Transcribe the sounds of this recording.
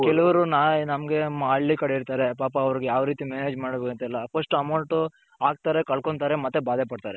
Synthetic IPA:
kɛlɐʋɐɾunaːnɐmɡe̞maːɽːikɐɽeiɾt̪aːɾe̞paːpɐːʋɐɾiɡejaːʋɾiːt̪imeːneːd͡ʒmaːɽbeɡɐnt̪ɛlːɐpʰɐʂʈɐmɐwɳʈu | aːɡ̚t̪aːɾekɐɭkoɳt̪aːɾe̞mɐt̪ːebaːd̪epɐɽt̪aːɾe

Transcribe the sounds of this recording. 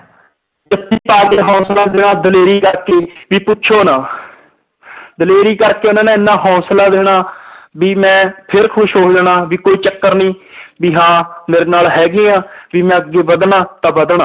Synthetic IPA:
d͡ʒət̪ːiːpaːkeːɦɔ̃ːslaːd̪eːɽ̃ãːd̪əleːɾiːkəɾkeːʋiːpʊtːt͡ʃʰoːnãː | d̪əleːɾiːkəɾkeːonãːnẽːɪnːãːɦɔ̃ːslaːd̪eːɽaːbiːmɛ̃ːpʰɪɾkʰʊʃɦoːd̪eɽaːʋiːkoːiːt͡ʃəkːəɾnĩːbiːɦãːmeːɾeːnaːlɦɛːɡɪːãːʋiːmɛ̃ːəɡeːbəd̪ɳãːt̪ãːbəd̪ɳãː

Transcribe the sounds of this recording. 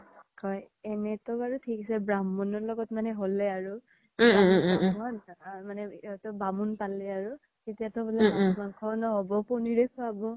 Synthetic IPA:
kɔj | ɛnɛtɔbaɹutʰikisɛbɹamːɔnɔɹlɔɡɔtmanɛɦolɛaɹu | abɔntʰakamanɛtɔbamunpalɛaɹu | tetijatɔbulɛamaŋkʰɔnɔɦɔbɔpɔniɹɛkɔabɔ

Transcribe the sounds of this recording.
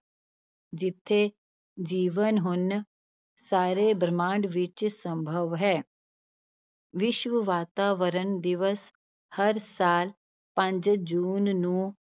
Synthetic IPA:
d͡ʒɪt̪ʰːe | d͡ʒiːʋənɦʊn | saːɾebɾmãːɳɖʋɪt͡ʃsə̃mbʱəʋɦɛː | ʋɪʃʋəʋaːt̪aːʋəɾənd̪ɪʋəs | hɐɾsaːl | pə̃ɲd͡ʒd͡ʒuːnːũː

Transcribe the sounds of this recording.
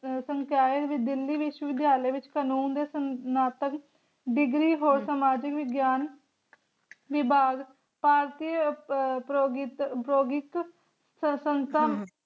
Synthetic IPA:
səŋkaːɪt̪ʋɪd̪ɪlːiːʋɪʃwəʋɪd̪jaːləjʋɪt͡ʃkənuːnd̪eːsənaːt̪ək | ɖɪɡɾiːɦoːɾsaːmaːd͡ʒɪkʋɪɡjaːn | ʋɪbʱaːɡ | paːɾt̪iːpɾoɡɪt̪pɾoːɡɪk | sənt̪əm

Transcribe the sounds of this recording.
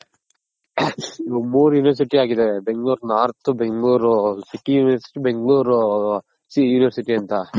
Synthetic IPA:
omuːɾjuːniʋɐɾs̬iʈiaːɡid̪ebe̞ŋɡɭuːɾnaːɾt̪ubeŋɡɭuːɾsiʈijuːniʋɐɾsiʈibeŋɡɭuːɾ | sijuːniʋɐɾsiʈiɐnt̪a

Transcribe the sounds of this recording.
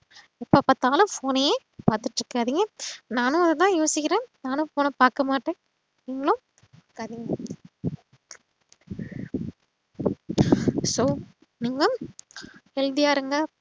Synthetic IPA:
ɛpːɐpɐt̪ːaːlɐ̃foːnɐjeː | paːɾt̪ɯʈːɾɯkːɯaːðɪŋɡɐnaːnʊ̃ɐðɐt̪ãːjoːsɪkʲːɪɾẽːnaːnʊ̃poːnɐpaːɾkɐmaːʈːẽː | niːŋɡɐɭʊ̃ | aːɾkaːðɪŋɡɐ | soː | niːŋɡɐ | ɛld̪ɪjaːɾɯŋɡɐ

